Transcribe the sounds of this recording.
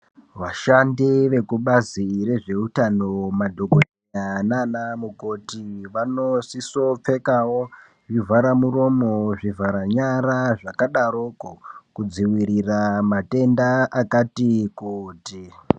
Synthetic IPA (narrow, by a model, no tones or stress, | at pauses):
ʋaʃandiʋe̞kuɓazire̞ʐe̞utano̞madʱo̞ɡʱoiɲananamukotiʋanosiso̞p͡fe̞kawo | ʐivʱaɾamuro̞mo̞ʐivʱaɾaɲaɾaʐakaɗaɾokokud͡ziwiɾiramate̞ndaʔakatikuːti